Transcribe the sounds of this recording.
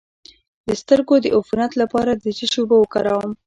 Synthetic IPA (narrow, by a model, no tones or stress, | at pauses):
d̪əst̪əɾɡod̪əʔʊfunat̪lapɑɾad̪əd͡ʒiʃubawəkɑɾɑwəm